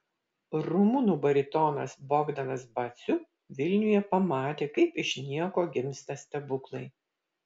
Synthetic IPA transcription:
ɾʊmʊnuːbɐɾʲɪt̪ɔnɐ̰sbɔɡd̪ɐnɐsbɐt̪sʲʊ | ʋʲɪlʲnʲʊjɛpɐmɑːt̪ʲeːkɐɪpɪʃʲnʲiɛkoːɡʲɪmʲsʲt̪ɐsʲt̪ʲɛbʊklˠɐɪ

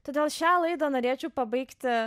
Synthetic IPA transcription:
t̪oːd̪ʲeːlˠʃʲæːlˠɐɪd̪ɐːnoːɾʲeːt͡ʃʲɛʊpɐbɐɪkt̪ʲɪ

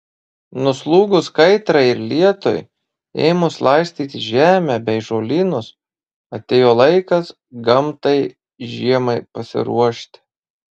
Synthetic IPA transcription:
nʊslˠuːɡʊskɐɪt̪ɾɐɪɪɾlʲiɛt̪o̰j | ḛɪmʊslˠɐɪsʲt̪ʲiːt̪ʲɪʒʲæːmʲæbʲɛɪʒoːlʲiːnʊs | ɐt̪ʲeːjoːlˠɐɪkɐs | ɡɐmt̪ɐɪ | ʒʲiɛmɐɪpɐsʲɪ̰ɾṵɔʃʲt̪ʲɪ̥

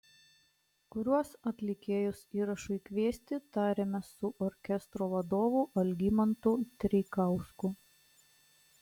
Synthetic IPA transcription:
kʊɾʲuɔsɐt̪ʲlʲɪkʲeːjʊsiːɾɐʃʊɪkʲʋʲiɛsʲt̪ʲɪt̪ɑːɾʲemʲɛsʊʔɔɾʲkʲɛst̪ɾoːʋɐd̪oːʋuːʔɐlʲɡʲimɐnt̪ut̪ʲɾʲɛɪkɑˑʊskʊ

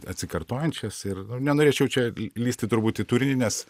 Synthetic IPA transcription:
ɐt̪ʲsʲɪkɐrt̪oːjɛnʲt͡ʃʲɛsɪrnʊnʲɛnoːɾʲeːt͡ʃʲɛʊt͡ʃʲɛlʲiːsʲt̪ʲɪt̪ʊɾbuːt̪ɪt̪uːɾʲɪnʲɪnʲɛs

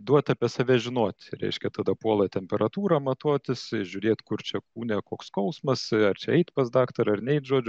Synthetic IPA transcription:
d̪uɔt̪ʲɐpʲiɛsɐʋʲɛʒʲɪnoːt̪ʲɾʲɛ̰ɪʃʲkʲɛt̪ɐd̪ɐpuɔlˠɐt̪ʲɛmʲpʲɛɾɐt̪uːɾɑmɐt̪oɔt̪ʲɪsʒʲʊɾʲeːt̪kʊrt͡ʃʲɛkuːnʲɛkoːkskɐʊsmɐsɐrt͡ʃʲɛɛɪt̪pɐsd̪ɑːkt̪ɐɾɐrnʲɛɪt̪ʒoɔd͡ʒʲʊ

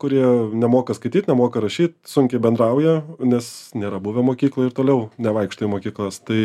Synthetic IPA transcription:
kʊɾʲiɛnʲɛmoːkɐskɐɪtʲiːt̪ʲnʲɛmoːkɐɾɐʃʲiːt̪̚sʊŋʲkʲɛɪbʲɛnd̪ɾɐʊjɛnʲɛsnʲeːɾɐbʊʋʲɛmoːkʲiːklˠojɪɾt̪oːlʲɛʊnʲɛʋɐɪkʃt̪oːjemoːkʲiːklˠɐst̪ɐɪ

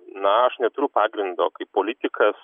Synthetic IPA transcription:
nɐɐʃnʲɛt̪ʊɾʲʊpɑːɡɾʲɪnd̪o̰ːkɐɪpoːlʲɪt̪ʲɪkʰɐs

